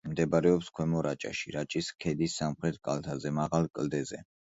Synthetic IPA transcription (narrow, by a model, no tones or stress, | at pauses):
md̪ɛbaɾɛɔpskʰwɛmɔɾat͡ʃʼa̰ʃḭɾat͡ʃʼiskʰɛd̪isːamχɾɛt̪̚ʰkʼa̰lt̪ʰazɛmaʁalˠkʼld̪ɛzɛ